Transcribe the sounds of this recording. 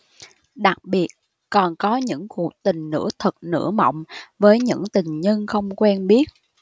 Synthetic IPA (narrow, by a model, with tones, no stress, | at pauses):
ɗa˨˩k̚ɓi˨˩ət̚ | kɔ˨˩nkɔ˨˦ɲɨ̰˧˥ŋku˨˩ək̚t̪ï˨˩ŋ̟nɨ̰˧˥ət̪ʰə˨˩t̚nɨ̰˧˥əmə̰˧˨wŋ͡mvəː˨˦jɲɨ̰˧˥ŋt̪ï˨˩ŋ̟ɲə˧nxə˧wŋ͡mkwɛ˧nɓi˦˥ət̚